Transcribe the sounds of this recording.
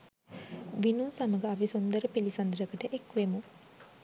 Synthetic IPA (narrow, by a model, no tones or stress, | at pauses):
ʋinuːsaməɡəaʋisond̪əɾəpilisɐnd̪ɾəkəʈəʔekʋemu